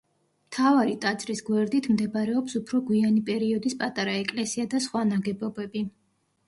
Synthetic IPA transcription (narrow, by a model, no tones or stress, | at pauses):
mt̪ʰavaɾit̪ʼat̪sʼɾisɡwɛɾd̪it̪ʰmd̪ɛbaɾɛɔpsupʰɾɔɡwianipʼɛɾiɔd̪ispʼat̪ʼaɾaɛkʼlɛsiad̪asχwanaɡɛbɔbɛbi